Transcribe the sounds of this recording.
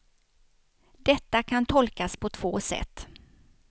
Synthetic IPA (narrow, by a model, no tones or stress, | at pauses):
d̪ɛt̪ːakʰant̪ʰɔlkaspʰɔt̪ʰv̥oːsɛ̰t̪ː